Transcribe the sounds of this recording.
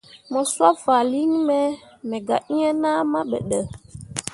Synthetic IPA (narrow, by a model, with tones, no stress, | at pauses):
mɔ˨swa˦va˨li˦ŋmɛ˦mɛ˨ɡa˨ʔi˦ɲə˦na˦ma˦ɓə̰˨ɗə˨